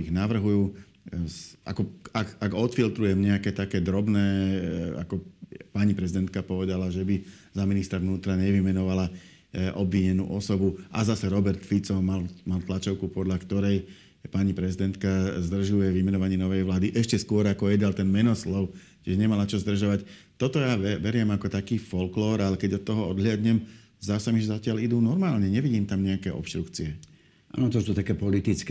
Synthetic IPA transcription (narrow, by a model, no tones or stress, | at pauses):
iɣnaʋr̩ɦujuː | a̰kɔakaɡɔt̪filt̪ɾujɛmɲɛakɛːt̪akɛːd̪ɾɔbnɛːa̰kɔpaɲipɾɛzid̪ɛnt̪̚kapɔʋɛd̪alaʒɛbi | zaminist̪ɾaʋnuːt̪ɾaɲɛʋimɛnɔʋala | ʔɔbʋiɲɛnṵːʔɔsɔbuʔazasɛɾɔbɛɾt̪fit͡sɔmalmalt̪lat͡ʃɔʊkupɔd̪ʎakt̪ɔɾɛj | paɲipɾɛzid̪ɛnt̪kazd̪r̩ʒujɛʋimɛnɔʋaɲɪɛnɔʋɛjʋlaːd̪iʔɛʃcɛskʊɔɾakɔjɛd̪alt̪ɛnmɛnɔslɔʊ | cɛʒɲɛmalat͡ʃɔzd̪r̩ʒaʋac | t̪ɔt̪ɔjaʋɛʋɛɾɪɛmakɔt̪akiːfɔlklɔːɾalɛkɛɟɔt̪ːɔɦɔɔd̪ɦlɪad̪ɲɛm | zasamiʒɛzacɪalid̪uːnɔɾmaːlɲɛɲɛʋiɟiːmt̪amɲɛakɛːʔɔ̰pʃt̪ɾukt͡siɛ | ʔa̰ːnɔt̪ɔsut̪akɛpɔlit̪it͡sk